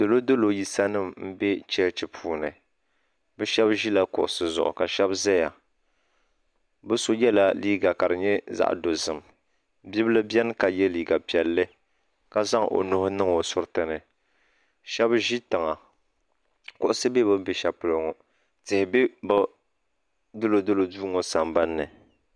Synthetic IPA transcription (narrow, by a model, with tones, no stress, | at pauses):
dɨ˨lo˦dɨ˦lo˨ji˦sa˦nɨ˦˨mm̩˦bɛ˦t͡ʃɛ˦t͡ʃi˨pʰuː˦˨nɨ˨ | bɨ˦ʃɛ˦bʒi˦la˦kʊ̰˨ʔʊ˨sɨ˨zʊ̰˨ʔʊ̰˨ka˨ʃɛ˦bzɛ˦ja˨ | bɨ˦so˦jɛ˦la˦liː˦ɡa˨ka˨ɾɨ˨ɲɛ˦za̰˦ʔdo˨zɨ˨m | bi˦bɨ˦lɨ˦bjɛ˦n˦ka˨jɛ˦liː˨ɡa˨pi˨ɛ˨lːɨ˦ | ka˦za˦ŋʔo̰˨nʊ˦hʊ˦nɨ˦ŋo˨sʊ˦ɾtɨ˨nɨ˨ | ʃɛ˦bʒi˦tɨ˨ŋa˨ | kʊ˨ʔʊ˦sɨ˦be˦bɨ˦bɪ˨ʃa˨pʊ˨lɨ˨ŋo˨ | tɪ˨hɪ˨be˦bʊ˦ | dɨ˦lo˨dɨ˦lo˨duː˦ŋo˦sa˨mba˦nːɨ˨